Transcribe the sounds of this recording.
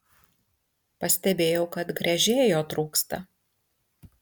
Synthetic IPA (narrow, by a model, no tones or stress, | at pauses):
pɐsʲt̪ʲɛbʲeːjɛʊkɐt̪ɡɾʲɐʒʲeːjoːt̪ɾuːkst̪ɐ̰